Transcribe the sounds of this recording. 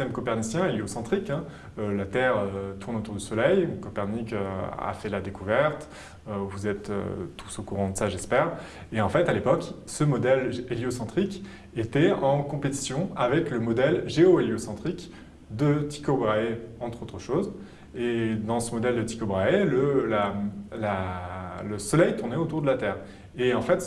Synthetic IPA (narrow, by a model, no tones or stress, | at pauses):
t̪ɛmkɔpɛʁnisjɛ̃eleosɑ̃t̪χikɛ̃ | ølat̪ɛʁøt̪ʰuʁnot̪uʁd̪əsɔlɛjkɔpɛʁnikøa̰fɛlad̪ekuvɛʁt̪ | øvuzɛt̪ø̰t̪ʰu̥sokuʁɑ̃d̪əsaʒɛspɛːʁ | eɑ̃fɛt̪alepɔksəmɔd̪ɛleljosɑ̃t̪χik | et̪ɛɑ̃kɔ̃pet̪i̥sjɔ̃avɛkləmɔd̪ɛlʒeoeljosɑ̃t̪χik | d̪ət̪i̥kobʁaeɑ̃t̪χot̪χəʃoz | ed̪ɑ̃səmɔd̪ɛld̪ət̪i̥kobʁaeləlala | ləsɔlɛjt̪uʁnɛot̪uʁd̪əlat̪ɛːʁ | eɑ̃fɛt̪